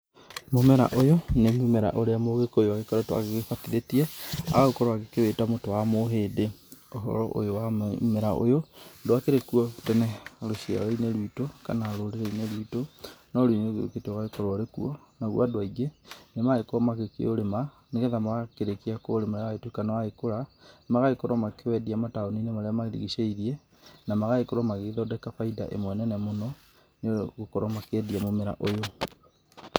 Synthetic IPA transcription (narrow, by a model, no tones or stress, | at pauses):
momɛɾa̰ʔojonemumɛɾa̰ʔoɾeamoɣekojoaɣekɔɾɛtoa̰ɣeɣefatiðetiɛa̰ɣaokɔɾɔaɣekeβetamotowamoɦeːdeoɦɔ̰ɾɔ̰ʔo̰jowammɛɾaʔo̰jodoakeɾekuɔtɛnɛɾoɕia̰ɾaineɾitoka̰naɾoɾeɾɛineɾitonɔɾineɣḛketɔwaekɔɾɾekuɔ | naɣwadowaiɡenemaɣekoɔmaɣekḛoɾema | neɣeðamaɣakeɾekiakoːɾemaɾeaɣaetwokanawaekoɾamaɣaekoɾwɔmakewɛdiamataoninemaɾeamaɾeɾḭɣiʃeiðiɛ | namaɣaekoɾwamaɣeðɔdɛkafaida̰ʔḛmwɛnɛnɛmonɔ | neɣokɔɾɔmakɛdiamomeɾa̰ʔojo